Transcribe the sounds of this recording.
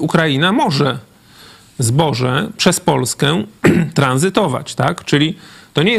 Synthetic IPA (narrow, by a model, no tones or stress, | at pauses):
ukɾajinamɔʐɛ | zbɔʐɛpʂɛspɔlskɛt̪ɾanzɘt̪ɔva̰t͡ɕt̪akt͡ʂɘlʲit̪ɔɲɛjɛ